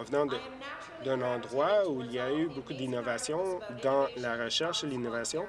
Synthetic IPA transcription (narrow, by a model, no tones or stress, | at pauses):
əvnɑ̃d̪ | d̪ɛ̃nɑ̃d̪ʁwauilijaybokud̪inɔvasjɔ̃d̪ɑ̃laʁəʃɛʁʃelinɔvasjɔ̃